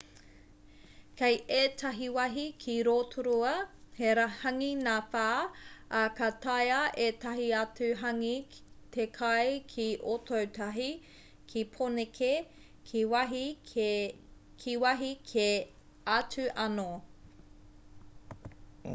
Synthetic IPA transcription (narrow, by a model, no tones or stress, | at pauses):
kʰejeːtʰɐɦiwɐɦikʰiɾoːtʰuɾuɐheɾahɐŋinafaːɐkɐtɐjɐʔetɐɦiɐt͡sʉɦɐŋi | t̪ʰekʰɐjkʰiʔotʰowtʰɐɦi | kʰipʰonekʰe | kʰiwɐɦi | kʰiwɐɦikʰe | ɐt͡sʉʔɐno